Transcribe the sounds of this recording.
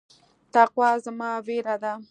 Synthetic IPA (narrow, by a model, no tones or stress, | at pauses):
t̪aqwɑzmɑweɾad̪a